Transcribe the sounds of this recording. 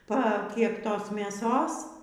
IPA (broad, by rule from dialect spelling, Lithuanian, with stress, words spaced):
pɐ ˈkʲæːptoːs mʲeːˈsoːs